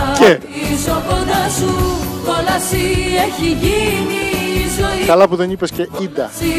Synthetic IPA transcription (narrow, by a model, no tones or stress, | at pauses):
ce | sopod̪ɐsut̪olɐsieçiʝinizokɐlɐpuðenipesceid̪ɐ̰